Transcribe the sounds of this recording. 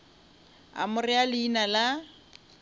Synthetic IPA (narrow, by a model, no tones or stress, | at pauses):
a̰mʊrɪalɪinala